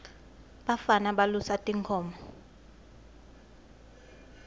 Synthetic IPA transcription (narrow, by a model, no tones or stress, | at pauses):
ɓafanaɓalusatʼiŋkʰɔːmɔ